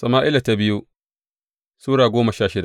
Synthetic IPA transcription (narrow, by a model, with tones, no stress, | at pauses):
sɐ˨maː˦ʔɪ˦la˨ta˦bɪ˦ju˦ | suː˦ɽaː˨ɡʷoː˦mɐ˨ʃaː˦˨ʃɪ˦da˨